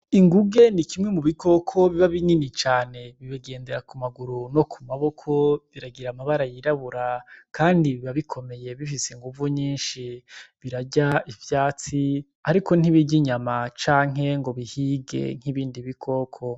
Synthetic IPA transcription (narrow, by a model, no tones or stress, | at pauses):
iŋɡuɡe̞nikimŋe̞muβiko̞kʰo̞βiβaβiɲinit͡ʃaːne̞βiβaɡe̞ːnde̞ɾakumaɡuɾuno̞kʰumaβo̞kʰo̞βiɾaɡiɾamaβaɾajiɾaβuɾakaːndiβiβaβikʰo̞me̞je̞βifiseŋɡuvuɲiːnʃiβiɾaɟaivjaːt͡si | aɾiko̞n̥iβiɟiɲamat͡ʃaːŋe̞ŋɡo̞βihiɡe̞̰ŋ̥iβiːndiβikʰo̞kʰo